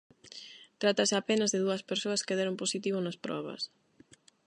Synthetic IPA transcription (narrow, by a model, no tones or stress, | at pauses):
t̪ɾat̪asɪapenazðeðuɐspeɾsoɐskeðɛɾomposit̪iβ̞onaspɾɔ̰β̞ɐ̰s